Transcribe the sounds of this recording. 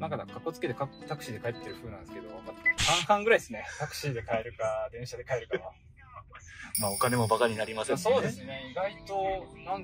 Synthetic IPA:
nãŋkakako̞t͡sɨ̥ke̞d̪e̞kat̪akɯ̟̥ɕiːd̪e̞kaet̪ːe̞ɾɯ̟ɸɯ̟ːnãnd̪sɨ̥ke̞d̪o̞asãɰhãŋɡɯɾaid̪esɨne̞t̪akɯ̟̥ɕiːd̪e̞kae̞ɾɯ̟kad̪ẽ̞ɰ̃ɕad̪ekae̞ɾɯ̟kaa | maːo̞kane̞mo̞bakaɲ̟inaɾʲimaseso̞ːd̪esɨne̞iɡait̪o̞nãŋ

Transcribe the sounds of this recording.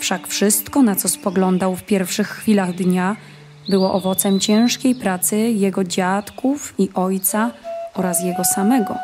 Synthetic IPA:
fʂakfʂɘst̪kɔnat̪sɔspɔɡlɔnd̪awfpʲjɛɾfʂɘxːfʲilaɣd̪ɲa | bɘwɔʔɔvɔt̪sɛmt͡ɕɛ̃ʂkʲejpɾat̪sɘjɛɡɔd͡ʑat̪kufiʔɔjt̪saɔɾasjɛɡɔsamɛɡɔ̰

